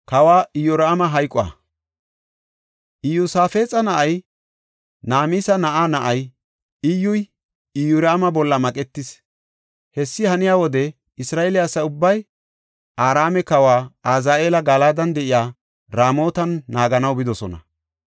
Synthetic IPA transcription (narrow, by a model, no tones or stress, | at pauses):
kɐwaːɪjɔɾːmɐɦɐjkʼʊa̰ | ʔɪjusaːfe̞ːt͡sʼɐnɐʔɐj | naːmiːsɐnɐʔaːnɐʔɐj | ɪjːʊj | ɪjʊɾaːmɐbɔlːɐmɐkʼɛt̪ːɪs | hɛsːɪhɐnɪjaːwɔd̪ɛ | ɪsɾaːʔelɪjasːɐʊbːɐj | ʔaːɾaːmɛkɐwaːaːzaːʔeːlɐɡɐlaːd̪ɐnd̪ɛʔɪjaː | ɾaːmo̞ːt̪ɐnːaːɡɐnɐwbɪd̪ɔsɔnɐ̰